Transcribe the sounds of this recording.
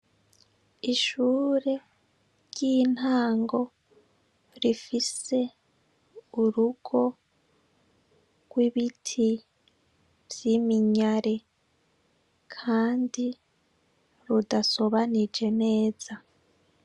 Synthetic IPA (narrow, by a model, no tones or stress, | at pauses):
iʃuːɾe̞ | ɾɟiːn̥haːŋɡo̞ | ɾifise̞ | uɾuɡ̥o̞ | ɡ̥wiβitʰi | vjimiɲaɾe̞ | kʰaːndi | ɾudaso̞βanid͡ʒe̞ne̞ːz̥a